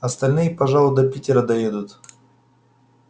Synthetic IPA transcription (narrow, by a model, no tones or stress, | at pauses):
ɐst̪ɐlʲnɨjəpɐʐalˠʊd̪ɐpʲitʲɪɾəd̪ɐjed̪ʊt̪